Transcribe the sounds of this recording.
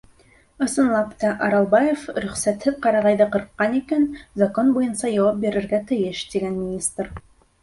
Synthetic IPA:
ɤ̆sɤ̆nlˠɑpt̪ɑʔɑɾɑlˠbɑjefɾɵ̆χsæt̪ːɘp̚qɑɾɑʁɑjðɤqɤ̆ɾqːɑnekenzako̞nbojɤnsɑʒɑwɑp̚be̞ɾɘ̆ɾɡʲæt̪ʰɘ̆jɘʃd̪eɡʲenmʲɪnʲist̪r

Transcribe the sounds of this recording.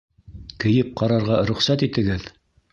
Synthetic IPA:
kɘ̆jɘp̚qɑɾɑɾʁɑɾɵ̆χsæt̪it̪ɘ̆ɡɘð

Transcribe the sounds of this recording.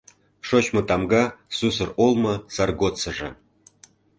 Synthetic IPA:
ʃot͡ɕmɤ̆t̪ɑmɡɑsusɤ̆rolˠmɤ̆sɑrɡot͡sɤ̆ʐɤ̰̆

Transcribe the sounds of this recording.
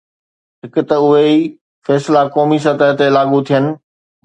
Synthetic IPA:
ɦɪkʊ̆t̪ɐʊɦei | fɛːslakɔːmis̬ɐt̪əɦt̪elaːɠut̪ʰijənɪ̆

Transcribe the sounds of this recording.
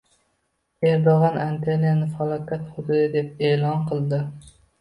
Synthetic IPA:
eɾd̪oʁɑnant̪ʰelijanɪfɑlˠɒkʲʰat̪χʊd̪ʊd̪ɪd̪ep̚eːlˠɑnqʰɨlˠd̪ɪ

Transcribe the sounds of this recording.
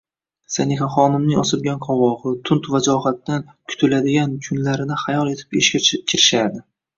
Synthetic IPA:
sanɪχaχɒnɪmnɪŋɒsɪɾɡʲanqʰɒwɒʁɨt̪ʰʊnt̪vad͡ʒɒɦat̪ːan | kʰʊ̥t̪ʰɪlad̪ɪɡʲankʰʊnlaɾɪnɪχajɒlˠe̞t̪ʰɪ̥peʃkʲakʲʰɪɾɪʃad̪ɪ

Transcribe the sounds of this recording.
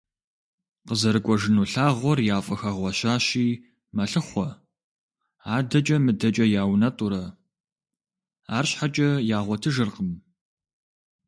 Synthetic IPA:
qəzɐɾɨkʷɔʒɨnuːɬaːʁʷɔrjaːfʼɐxɐʁʷɔɕaːɕiː | mɐɬɨχʷɔ | aːdɐt͡ʃʼɐmɨdɐt͡ʃʼɐjaːwnɐtʼuɾɐ | aːrɕħat͡ʃʼɐjaːʁʷɔtʰɨʒɨrqəm

